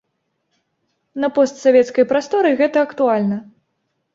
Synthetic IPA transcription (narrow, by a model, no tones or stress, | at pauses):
nɐpɔst̪savʲɛt̪skɐjpɾast̪ɔɾɨɣɛt̪ɐːkt̪ualʲnɐ